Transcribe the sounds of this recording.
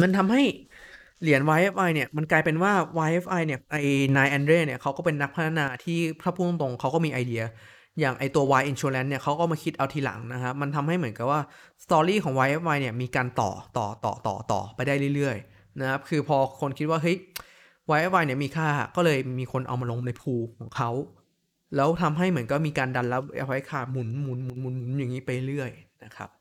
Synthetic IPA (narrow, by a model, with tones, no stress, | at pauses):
ma˧nt̪ʰa˧mɦa˥˩j | li˨˩˦ənwaː˧˦jʔe˦˥faː˧jni˥˩ɐma˧nklaː˧jpe˧nwaː˥˩waː˧jʔe˦˥faː˧jni˥˩ɐʔa˧jnaː˧jʔɛː˧nɾeː˥˩ni˥˩ɐkʰa˦˥wkɔː˥˩pe˧nːa˦˥k̚pʰt̪ʰːa˧naː˧t̪ʰiː˥˩pʰɾa˦˥pʰuː˥˩no˥˩po˧ŋkʰa˦˥wkɔː˥˩miː˧ʔa˧jdi˧ɐ | jaː˨˩ŋʔa˧jt̪u˧ɐwaː˧jʔi˧nt͡ɕʰuː˧lɛ˦˥nnːi˥˩ɐkʰa˦˥wkɔː˥˩maː˧kʰi˦˥t̪̚ʔa˧wt̪ʰiː˧la̰˨˩˦ŋna˦˥kʰa˦˥p̚ma˧nt̪ʰa˧mha˥˩jmɯ˩˦nka˨˩p̚waː˥˩ | st̪ɔː˧ɾiː˥˩kʰɔː˩˦ŋwaː˧˥ʔe˦˥fwaː˧jni˥˩ɐmiː˧kaː˧nt̪ɔ̰ː˨˩t̪ɔ̰ː˨˩t̪ɔ̰ː˨˩t̪ɔ̰ː˨˩t̪ɔ̰ː˨˩pa˧jdaː˥˩jlɯ˥˩jɾɯ˥˩əj | na˦˥kʰa˦˥p̚kʰɯː˧pʰɔː˧kʰo˧nkʰi˦˥t̪̚waː˥˩ɦɤ˦˥j | waː˧jʔe˦˥p̚waː˧jni˥˩miː˧kʰaː˥˩˨kɔː˥˩lɤː˧jmiː˧kʰo˧nʔa̰˧wmaː˧lo˧ŋna˧jpʰuː˧kʰɔː˩˦ŋkʰa˦˥w | lɛː˦˥wt̪ʰa˧mɦa˥˩jmɯ˩˦ənka˥˩miː˧kaː˧nda˧nla˦˥p̚ʔḛ˦˥p̚wa˦˥kʰaː˧˩mu˩˦nmu˨˩˦nmu˨˩˦nmu˨˩˦nmu˨˩˦nja˨˩ŋːiː˦˥pa˧jlɾɯ˥˩əjna˦˥kʰa̰˦˥p̚